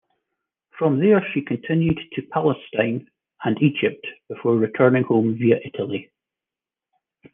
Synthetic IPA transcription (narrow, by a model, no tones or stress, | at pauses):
fɹə̃mðə˞ʃikʰə̃ntʰɪ̃njʉd̚tʰəpʰalˠəstãɪ̃n | ə̃nid͡ʒɪp̚tb̥ɪfɔɹɹɪtʰɜ˞nɪ̃ŋhõmviəʔɪʔəlˠi